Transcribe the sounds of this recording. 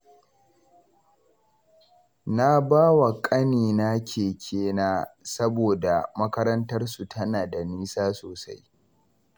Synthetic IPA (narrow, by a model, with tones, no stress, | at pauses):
na˦baː˦wa˨kʼɐ˦niː˨na˦kʲeː˨kʲʰeː˦naː˦sɐ˦boː˨da˨mɐ˦kɐ˦ɾɐ˦ntɐ˦rsu˨tʰɐ˦naː˨da˨niː˦saː˦soː˨sa˦j